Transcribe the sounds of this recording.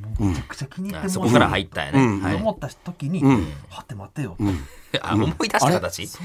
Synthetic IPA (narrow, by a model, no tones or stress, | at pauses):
moːmet͡ɕakɯ̟̥t͡ɕakʲiɲ̟ʲit̪ːemsoookaɾa̰hait̪ːa̰jo̰nea̰omo̞t̪ːat̪o̞kʲiɲ̟ihat̪ːe̞mat̪ːejot̪a̰omoid̪aɕitakat̪at͡ɕi